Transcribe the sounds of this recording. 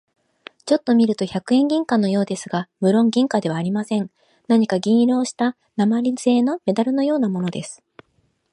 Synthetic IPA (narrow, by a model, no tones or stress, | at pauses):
t͡ɕo̞t̪ːo̞mʲiɾɯ̟t̪o̞çakɯ̟ẽ̞ŋɡʲĩŋkãnːo̞jo̞ːd̪e̞sɨɡamɯ̟ɾõ̞ŋɡʲĩŋkad̪e̞βaːɾʲimasẽ̞n | naɲ̟ikaɡʲĩɰ̃ɾo̞ːɕi̥t̪a | namaɾʲiz̥e̞ːno̞me̞d̪aɾɯ̟no̞jo̞ːnamo̞no̞d̪e̞sɨ̥